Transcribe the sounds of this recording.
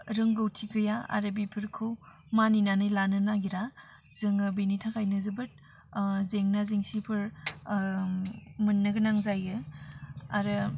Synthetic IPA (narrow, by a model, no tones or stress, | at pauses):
ɾɯŋɡɯwtʰiɡɯjaa̰ɾɯbipʰɯɾkʰɯw | maninanɯjlanɯnaɡiɾa | zɯŋɯbenitʰakʰajnɯzɯbɯt̚ | zeŋnazeŋsipʰɯɾ | mɯnːɯɡənaŋzajɯ | a̰ɾɯ